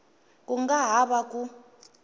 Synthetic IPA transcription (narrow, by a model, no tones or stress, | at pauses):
kʼuŋɡaɦaɓak̬ʼu